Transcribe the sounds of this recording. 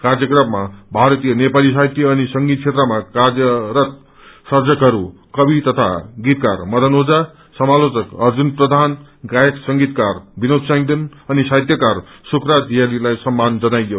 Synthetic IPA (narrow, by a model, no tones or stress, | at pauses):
kard͡zjʌkrʌbʱmabʱaɾʌt̪ijʌnepalis̬ajt̪jʌːnisʌŋɡit̪̚ʰet̪rʌmakard͡zjʌɾʌt̪̚ | sʌrd͡zʌkɦʌɾu | kʌbit̪ʌt̪ʰa̰ɡit̪karmʌd̪ʱʌnod͡za | sʌmalot͡sʌkʌrd͡zunprʌd̪ʱanɡajʌksʌŋɡit̪karbinod̪saŋd̪inʌnisajt̪jʌkarsukrad̪ʱijalilajsʌmːand͡zʌnajo